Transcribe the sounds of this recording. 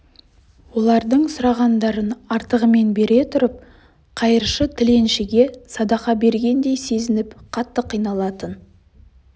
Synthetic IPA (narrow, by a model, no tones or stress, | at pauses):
wo̞lˠɑɾd̪əɴsʊɾɑʁɑnd̪ɑɾənɑɾt̪əʁəme̞nbe̞ɾe̞t̪ʰʊɾəp̚ | qʰɑjəɾʃət̪ʰɪle̞nʃɪɡʲe̞sɑd̪ɑqɑbe̞ɾɡʲe̞nd̪e̞jse̞zɪnɪpqʰɑt̪ːəqʰijnɑlˠɑt̪ən